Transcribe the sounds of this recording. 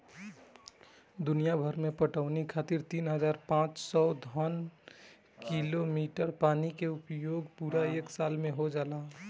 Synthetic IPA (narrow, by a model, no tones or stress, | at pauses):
d̪ʊnijabʱəɾmẽpəʈəʊnikʰaːt̪iɾt̪iːnɦəd͡ʒaːɾpãːt͡ʃsɔd̪ʱɔn | kilomiːʈəɾpaːnikeʊpjoːɡpuɾaeːksaːlmẽɦod͡ʒaːlaː